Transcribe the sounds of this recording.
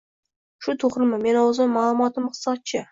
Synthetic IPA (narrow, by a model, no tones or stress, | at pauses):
ʃʊt̪ʰoʁɾɪmɪme̞nɒzɪmaːlˠʊmɒt̪ɪmqt̪sɒt̪̚t͡ʃʰɪ